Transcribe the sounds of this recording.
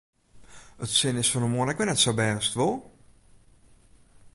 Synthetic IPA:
ətsɪnɪsfɔnəmoənɛkʋɪnɛtsabɛːstʋolˠ

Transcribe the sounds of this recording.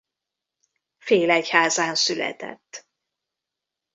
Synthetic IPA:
feːlɛchaːzaːnsylɛ̰t̪ɛ̰t̪ː

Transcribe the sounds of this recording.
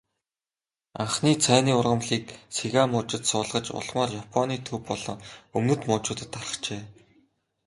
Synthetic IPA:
a̰ɴχniːt͡sʰæːniːʊrʁə̆mɮiːk̚seɣamʊt͡ɕɪ̆t̪sʊːɮʁə̆t͡ɕʊ̰ɮmaːrjapʰɔniːt̪ʰɵwpːɔɮɞ̆ŋɵmnɵ̆t̪mʊːt͡ɕʊːt̪ə̆t̪ʰːarə̥̆t͡ɕeː

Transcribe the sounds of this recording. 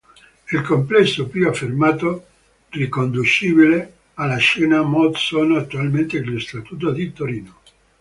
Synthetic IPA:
ilkomplɛsːopuafːermaːt̪o | rikond̪ut͡ʃiːbile | alːaʃɛːnamɔt̪sonoat̪ːualment̪elost̪at̪uːt̪̬od̪it̪oɾiːno

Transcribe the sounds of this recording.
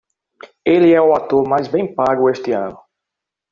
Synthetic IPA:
elɪɛʊat̪oɾmajzbẽj̃paɡʊeʃt̪ɪɐ̰̃nʊ

